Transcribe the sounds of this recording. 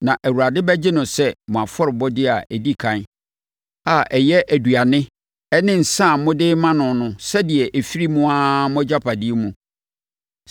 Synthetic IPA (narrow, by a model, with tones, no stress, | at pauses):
nã˨ʔæ˨wu˨ɾa˨dɪ˦bæ˦d͡ʑɪ˦nʊ̃˨sɛ˦mʊ̃˨a˨fɔ˦ɾɪ˨bɔ˦dɪ˦a˨ʔɛ˨di˦kʰã˨n˦ | a˦˨ʔɛ˨jɛ˦ʔæ˨du˨a˨nɪ̃˦ | ɛ˦nɪ̃˦n̩˨sã˦˨mʊ̃˦dɪ˦mã˦nʊ̃˨nʊ̃˦sɛ˦dɪ˨ɛ˨ʔe˨fi˦ɾi˦mũ˦a˦mʊ̃˦d͡ʑa˦pʰa˨di˦e˦mũ˦